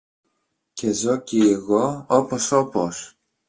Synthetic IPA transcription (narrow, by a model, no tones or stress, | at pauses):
ce̞zo̞cieɣoopo̞so̞pos